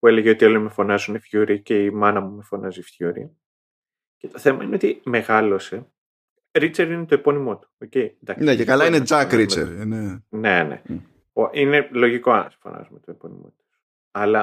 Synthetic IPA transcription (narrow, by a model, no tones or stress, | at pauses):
pue̞leʝeo̞t̪io̞limefo̞nɐzunefçuɾice̞imɐnɐmume̞fo̞nʔɐzifçuɾḭ | ce̞t̪o̞θe̞mɐineo̞t̪ime̞ɣɐlo̞se̞ | ɾit͡seɾinet̪oepo̞nimo̞t̪u̥oce̞ind̪ɐknecekɐlɐined͡zɐkɾimḛɾinene̞ne̞̰ | oʔine̞lo̞ʝiko̞ɐse̥fonɐ̰zumet̪oepo̞̰nḭmo̞̰t̪u̥s | ɐlɐ